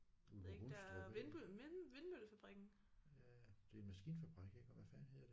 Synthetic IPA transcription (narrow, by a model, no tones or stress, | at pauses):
uɡu̥sdʁoʋenb̥ymʋe̝nmøləfæb̥ʁiɡ̥n̩ | jæd̥e̝enmæsɡ̥ḭːnfæb̥ʁiɡ̥eɡ̥ɒʋæfæɐnhe̝ð̰ˠd̥e